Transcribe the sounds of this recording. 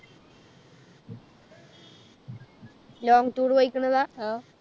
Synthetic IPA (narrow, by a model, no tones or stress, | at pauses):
loːŋɡʈuːɽʋɐjikʲːuɳːɐðaː